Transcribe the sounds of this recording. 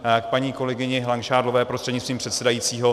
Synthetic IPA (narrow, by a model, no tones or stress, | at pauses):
akpaɲiːko̞lɛɡɪɲɪɦlaŋkʃaːdlovɛːpɾost̪r̥ɛdɲɪst̪ɾiːmpr̥ɛt̪sɛdajiːt͡siːɦo̞